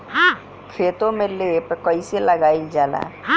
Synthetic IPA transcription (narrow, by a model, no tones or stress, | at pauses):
ɦa | kʰeːt̪õmẽleːpkəiseləɡaːild͡ʒaːla̰ː